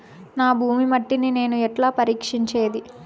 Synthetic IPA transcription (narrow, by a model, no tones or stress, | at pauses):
naːbʱuːmimɐʈːinine̞ːnuɛʈlaːpɐɾiːkʂiɲt͡ʃe̞ːd̪i